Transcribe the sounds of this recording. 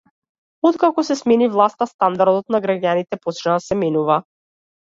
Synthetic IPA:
ɔt̪kakɔsɛsmɛnivlˠast̪ast̪and̪aɾd̪ɔt̪naɡɾaɟanit̪ɛpɔt͡ʃnasɛmɛnuva

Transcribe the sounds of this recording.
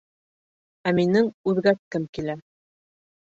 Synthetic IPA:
æminɘŋʉðɡæt̪̚kɘmkilæ

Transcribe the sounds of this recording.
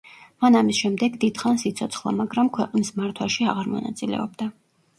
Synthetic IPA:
manamisʃɛmd̪ɛɡd̪id̪̥χansit̪sʰɔt̪sʰχlˠa̰maɡɾamkʰwɛqʼnismaɾt̪ʰwaʃia̰ʁaɾmɔ̰na̰t̪sʼilɛ̰ɔb̚d̪a

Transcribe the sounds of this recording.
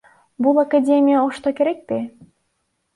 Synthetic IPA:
bulˠakadʲemʲijaoʃt̪okʲeɾek̚pe

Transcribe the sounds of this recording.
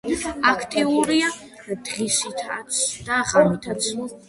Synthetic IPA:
akʰt̪ʰʼiuɾia | d̪̥ʁisit̪ʰat̪sʰd̪̥aʁamit̪ʰat̪sʰ

